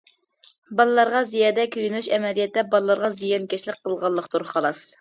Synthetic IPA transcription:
bɑlˠɨlˠɑɾʁɑzijɑːd̪ɛkʲʰøjynyʃɛmɛlijɛt̪ːɛbɑlˠɨlːˠɑɾʁɑzijɑnkʲɛʃlɪq̚qʰːəlˠʁɑlˠːəqt̪uɾχɑlˠɑs

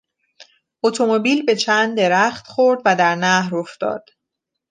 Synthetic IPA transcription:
ʔot̪ʰo̞mobiːlbe̞t͡ʃʰænd̪d̪ːe̞ɾæxt̪χo̞ɾd̪væd̪æɾnæhɾo̞ft̪ɒ̰ːd̪̥

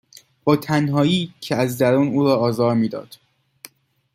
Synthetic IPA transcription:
b̥ɒːt̪ʰænɦɒːiːcʰeæzd̪æɾuːnuːɾɒːɒːzɒːɾmiːd̪ɒ̰ːd̪̥

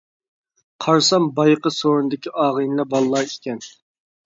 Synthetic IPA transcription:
qʰɑɾsɑmbɑjqəsoːɾunɨd̪ɪkʲiʔɑːʁəjnlˠɛbɑlˠːɑːikʲɛn

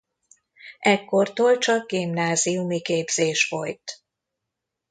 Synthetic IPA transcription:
ʔɛkːo̞rt̪oːlt͡ʃɒɡ̚ɡimnaːzijumikeːbz̥eːʃfojt̪

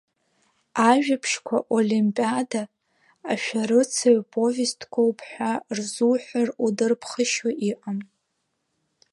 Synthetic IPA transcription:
aʒᶣapʰʂkʷʰa̰ʔolimpʼadaː | ʃᶣaɾɨt͡sʰaɥpʼo̞vʲestʰkʷʰʼowpʰʼħʷarzuħʷarudɨrpʰχəʃaʔiʔʼam

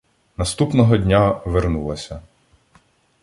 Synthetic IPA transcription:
nɐst̪upnɔɦɔdʲnʲaʋernulˠɐsʲɐ

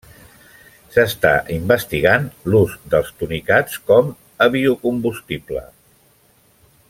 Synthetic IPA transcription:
səst̪a̰ʔimbəst̪iɣanluzd̪əlˠst̪unikat͡skɔm | əβiukumbust̪iplə̰

